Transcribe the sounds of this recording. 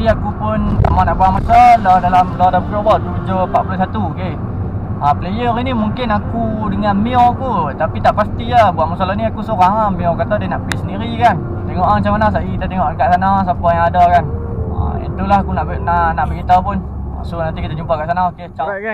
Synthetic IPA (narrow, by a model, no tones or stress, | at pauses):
iakupʊnt̪amanaʔkuaŋmasaladalamladamkɾobɔlt̪ud͡ʒopaʔpulas̬at̪uke | aplejəɾinimuŋkɪnakudəŋanmiɔkut̪apit̪aʔpast̪iabuaʔmasalaniakusoɾaɦamːĩɔkat̪adenaʔbisəndiɾikan | t̪eŋɔʔamat͡ʃamanas̬aʔikit̪at̪eŋɔʔkaʔsanas̬apajãŋadakan | a̰ḭnt̪ulahakunaʔbnanaʔbəkit̪apʊn | a̰sonant̪ikit̪ad͡ʒumpakaʔsanaoket͡ʃa